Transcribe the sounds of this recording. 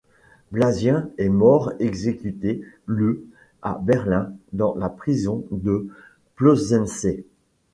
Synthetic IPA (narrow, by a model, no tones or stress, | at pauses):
blazjɛ̃ɛmɔʁeɡzekʲyt̪ely | a̰bɛʁlɛ̃d̪ɑ̃lapχizɔ̃d̪ə | plozɛnse